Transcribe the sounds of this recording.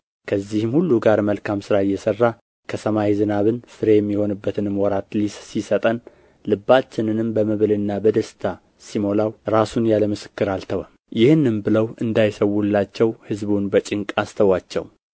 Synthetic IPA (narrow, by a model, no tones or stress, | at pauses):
kʰəzːihɨmhulːuɡaɾməlkʰamsɨɾajːɛsərːa | kʰəsəmawizɨnaβɨnsɨɾejɛmːiho̞nɨbːət̪ʰɨnɨmwɔɾat̪lissisət̪ʼən | lɨbːat͡ʃːɪnɨnɨmbəməβɨlɨnːabəd̪əst̪ʰa | simo̞lawɾasunjaləmɨsɨ̥kːɨɾalt̪ʰəwəm | jɪhɨnːɨmbɨləwɨnd̪ajsəwːulːat͡ʃːɛwhɨzbunbət͡ʃʼɪŋkʼast̪ʰəwat͡ʃːɛ̰w